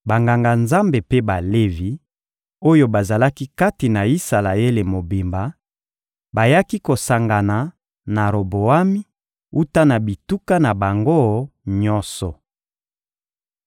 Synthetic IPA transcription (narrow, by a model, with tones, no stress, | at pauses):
ba˨ŋɡa˨ŋɡa˨nza˦mbe˨pe˦ba˨le˦vi˨ | o˦jo˦ba˨za˨la˦ki˦ka˦ti˨na˨i˦sa˨la˨e˦le˨mo˨bi˨mba˨ | ba˨ja˦ki˦ko˨sa˨ŋɡa˨na˨ | na˨ɾo˨bo˨a˦mi˦ | u˦ta˦na˨bi˨tu˦ka˦na˨ba˨ŋɡo˦ɲɔ̃˦nsɔ˨